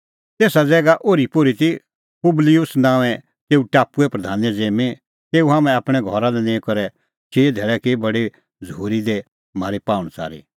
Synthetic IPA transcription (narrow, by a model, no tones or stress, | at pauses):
t̪eːsad͡zɛːɡaʔoːɾipoːɾit̪i | pʊblɪjʊsnãːʋɛ | t̪eːuʈaːpuɛpɾɐd̪ʱaːnjɛd͡zeːmẽ | t̪eːuɦãːmɛ̃apɽ̃ɛɡʱɔɾalɛnẽkɔɾɛ | t͡ʃeːd̪ʱɛːɭɛkebɐɽe | d͡zəuːɾid̪e | maːɾipaːʊ̃ɽ̃t͡sa̰ːɾḭ